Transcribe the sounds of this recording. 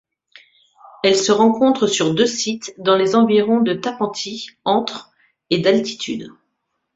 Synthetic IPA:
ɛlsəʁɑ̃kɔ̃t̪χəsyʁd̪øsit̪d̪ɑ̃lezɑ̃viʁɔ̃d̪ət̪apɑ̃t̪ʰiɑ̃t̪χ | ed̪alt̪i̥t̪ʰy̰d̪

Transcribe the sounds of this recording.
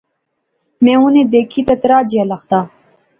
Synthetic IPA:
mẽuned̪ekʰit̪ɐt̪ɾaːd͡ʑialɐxt̪a

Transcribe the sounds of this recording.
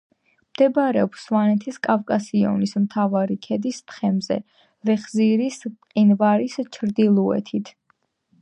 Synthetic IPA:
md̪̥ɛbaɾɛɔpswanɛt̪ʰiskʼavkʼasiɔ̰nismt̪ʰavaɾikʰɛd̪ist̪ʰχɛmzɛ̰ | ɾɛχziɾisqʼinvaɾist͡ʃʰɾd̪ilˠuɛ̰t̪ʰit̪ʰ

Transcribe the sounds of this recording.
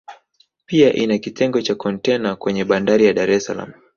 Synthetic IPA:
piaʔinakitʰɛŋɡɔt͡ʃakɔntɛnakwɛɲɛɓandaɾijaɗaɾɛsala̰mu

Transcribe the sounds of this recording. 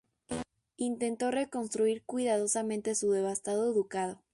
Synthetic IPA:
int̪e̞nt̪o̞re̞ko̞nst̪ɾuiɾkwiðað̞o̞samẽ̞nt̪e̞suðe̞β̞ast̪að̞o̞eðukað̞o

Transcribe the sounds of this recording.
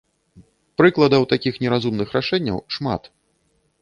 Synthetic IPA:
pɾɨklˠɐd̪ɐwt̪akʲixnʲɛɾazumnɨxɾaʂɛnʲːɐ̰wʂma̰t̪

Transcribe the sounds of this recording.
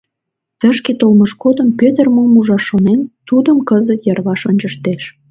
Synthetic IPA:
t̪ə̆ʃket̪olməʃkod̪əmpøt̪ərmomuʒɑʃonent̪ud̪əmkəzət̪jɑrβɑʃonʲt͡ɕəʃt̪eʃ

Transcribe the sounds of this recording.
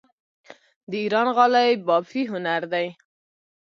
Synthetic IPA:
d̪əiɾɑnɣɑlajbɑbfiɦʊnaɾd̪aj

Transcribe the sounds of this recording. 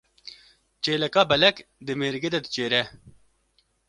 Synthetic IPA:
t͡ɕeːlɐkaːbɐlɐkd̪emeːɾɡed̪ɐd̪t͡ɕeːɾe

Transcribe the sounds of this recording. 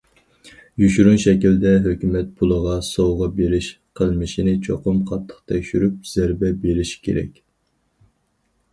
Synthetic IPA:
jyʃuɾunʃɛkʲild̪ɛɦøkʲymɛt̪̚pʰulˠəʁɑsowʁɑbeɾɪʃ | qʰəlˠmɨʃinɪt͡ʃʰoqʊmqʰɑt̪ʰːə̥χt̪ʰɛkʲʃyɾyp̚z̥æɾbɛbeɾɪʃkʲʰḛɾɛ̰kʲ

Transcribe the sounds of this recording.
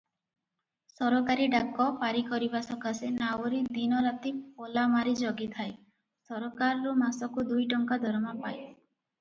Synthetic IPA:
sɔɾɔkaɾiɖakːɔpaɾikɔɾibasɔkasenawɔɾid̪inɔɾat̪iolamaɾid͡ʒɔɡit̪ʰaj | sɔɾɔkaɾɔɾumasɔkud̪ujʈɔŋkad̪ʱɔɾɔmapaj

